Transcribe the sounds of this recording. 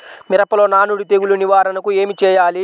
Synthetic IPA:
miɾɐpɐlo̞ːnaːnuɽit̪eɡuluniʋaːɾɐnɐkue̞ːmit͡ʃɛːjaːli

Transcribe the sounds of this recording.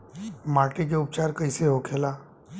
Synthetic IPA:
maːʈik̬eʊpt͡ʃaːɾkəiseɦokʰeːlaː

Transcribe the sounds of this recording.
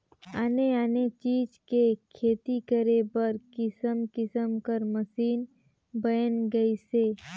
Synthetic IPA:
aneanet͡ʃiːd͡ʒkekʰeːt̪ikəɾebəɾkɪsəmkɪsəmkəɾməsiːn | bəjənɡəiseː

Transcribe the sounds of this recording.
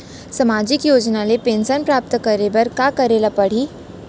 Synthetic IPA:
sɐmaːd͡ʒɪkjoːd͡ʒnalepẽːnsənpɾaːp̚t̪kəɾebɐɾkakɐɾeːlapɐɽ̤i

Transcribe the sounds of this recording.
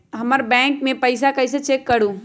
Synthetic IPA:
ɦɐmaɾbɛ̃ːŋkmẽpɐɪs̬akɐɪs̬et͡ʃeːkːɐɽũː

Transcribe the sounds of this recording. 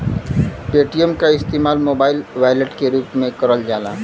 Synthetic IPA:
peːʈijəmkaɪst̪eːmaːlmoːbaːɪlʋaːjləʈkeɾuːpmẽkɐɾəld͡ʒaːla̰ː

